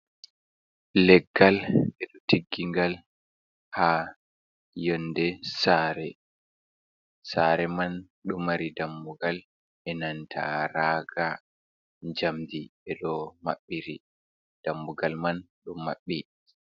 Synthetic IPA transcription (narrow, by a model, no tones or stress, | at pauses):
lɛɡːalɛɗɔtʰiɡːiŋɡal | ha | jɔndɛsaːɾɛ | saɾɛman | ɗumaɾidambuɡal | ʔɛnantʰa̰ɾaɡa | ɲd͡ʒamdiɓɛɗɔma̰ɓːiɾi | d̥ambuɡalman | ɗumːa̰ɓːi